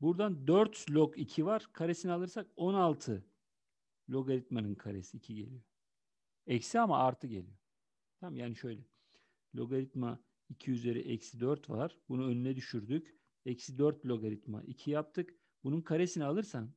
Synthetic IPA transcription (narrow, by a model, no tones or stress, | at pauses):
buɾd̪and̪øɾt̪lʲokʰicʰivaɾ̥kʰaɾesinialˠɯɾsako̞nalˠt̪ʰɯ | lʲo̞ɡaɾit̪manɯnkʰaɾesiːcʰiɟe̞̰lʲijo | ɛcsiamaaɾt̪ʰɯɟe̞̰lʲḭjo | t̪ʰammjaːniʃø̞jlʲɛ | lʲo̞̰ɡaɾit̪ma | icʰiyze̞ɾɛ̰ʔɛcsid̪øɾt̪vaɾ̥bunuønynɛd̪yʃyɾd̪yc | ɛcsid̪øɾt̪lʲo̞ɡaɾit̪ma̰ʔicʰijap̚t̪ʰɯk | bununkʰaɾe̞sinialˠɯɾsan